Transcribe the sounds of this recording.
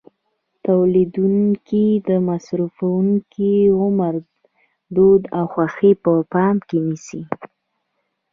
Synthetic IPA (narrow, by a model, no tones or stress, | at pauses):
t̪awlid̪unkid̪əmasɾufawuŋkʰiɣʊmaɾ | d̪od̪awxwaxipəpɑmkenisi